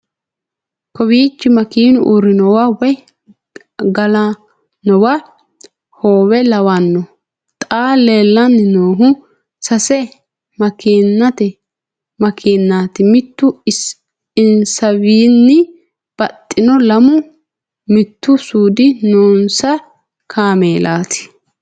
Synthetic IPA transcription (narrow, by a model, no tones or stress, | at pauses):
kɔbiːt͡ʃːɪmɐkiːnʊʔʊɾɪnɔwawɔj | ɡɐla | nɔwa | hoːwɛlɐwanːɔ | t̪ʼaːleːlːɐnːɪnoːɦʊ | sɐsɛ | mɐkinːɐt̪ɛ | mɐkʰiːnːaːt̪ɪmɪt̪ːʊ | ɪnsɐwiːnːɪ | b̥ɐt̪ʼːɪnɔlɐmʊ | mɪt̪ːʊsuːd̪ɪnoːnsɐ | kʰaːmeːlaːt̪ʰɪ̥